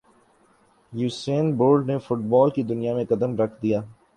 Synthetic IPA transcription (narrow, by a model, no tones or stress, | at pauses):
juːseːnboːɾɖnefʊʈbɔːlkid̪ʊnijamẽkɐd̪əmɾɐkʰd̪ijaː